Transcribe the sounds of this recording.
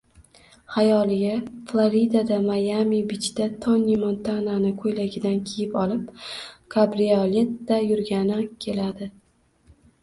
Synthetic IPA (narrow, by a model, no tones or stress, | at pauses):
hajɒlɪɡʲaflˠoɾid̪ad̪amajamibɪt͡ʃd̪at̪ʰɒnimont̪ʰananɪkʰojlaɡʲɪd̪ankʲʰejɪpɒlɪp̚kʰabɾiale̞t̪ːajʊɾɡʲanɪkʲʰe̞lad̪ɪ